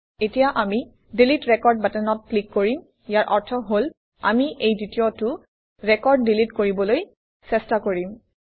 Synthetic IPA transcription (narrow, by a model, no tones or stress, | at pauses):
etijaʔami | dilitɹɛkɔɹd̚batɛnɔt̚plikːoɹim | jaɹʔɔɹtʰɔɦol | a̰miʔejditiɔtʊ | ɹɛkɔɹdːilitkoɹibɔloj | sɛstakoɹim